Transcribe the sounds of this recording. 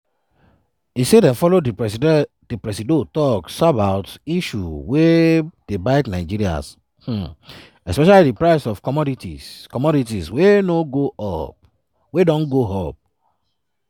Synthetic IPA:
isedɛ̃nfɔlo | d̥ipɹɛsidotɔksabaʊtiʃṵwed̥ebaɪtnaɪd͡ʒiɾia̰s | h̩ | ɛspɛʃalidipɹaɪsɔfkɔmɔditḭkɔmɔɾitiswenoɡoʔɔp̚ | wedɔ̃nɡoɦɔp̚

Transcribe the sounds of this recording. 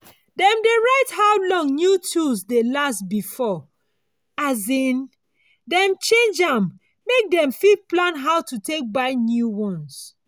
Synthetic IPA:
dɛ̃mdeɹaɪthawlɔ̃ŋnjutʰusdelastbifɔ | azĩn | dɛ̃mt͡ʃẽnd͡ʒãmː | ek̚dɛ̃mfid̚plãnɦaʊtutek̚baɪnjuwɔ̃ns

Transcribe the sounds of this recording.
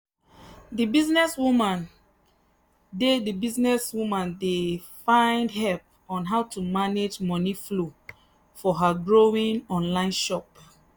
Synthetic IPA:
dibiznɛswumãn | dedəbiznɛswumãndefãɪ̃ndhɛlp̚ | ɔ̃nɦaʊtumaned͡ʒmɔniflu | fɔɦaɡɹoĩŋɔ̃nlãɪ̃nʃɔp̚

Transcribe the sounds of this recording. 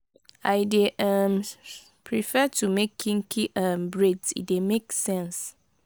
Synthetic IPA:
aɪdeʔam | pʰɹifɛtʰumekʰːĩŋkʰiʔãmbɹedsḭdemeksɛ̃ns

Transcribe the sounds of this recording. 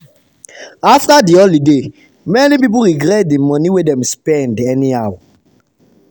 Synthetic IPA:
aftadiɔlide | mɛnipip̬uɹiɡɾɛt̚dimɔ̃niwedɛ̃mspɛ̃ndɛniawa

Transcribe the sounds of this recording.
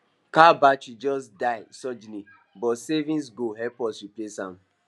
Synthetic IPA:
kabat͡ʃid͡ʒɔsdaɪsɔd͡ʒini | bɔtsevĩns̬ɡoɦɛpɔsɹiplesãm

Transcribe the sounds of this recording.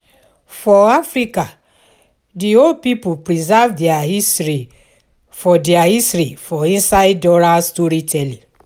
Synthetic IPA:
fɔafɹika | diod̚pipupɹizavdiaisɹi | fɔdɛahistɹifɔĩnsaɪdɔɹastoɾitʰɛlĩ

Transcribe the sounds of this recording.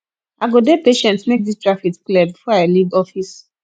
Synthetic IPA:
aɡodepeʃɛ̃ntmek̚distɹafitklɛbbifɔaɪliɡɔfis

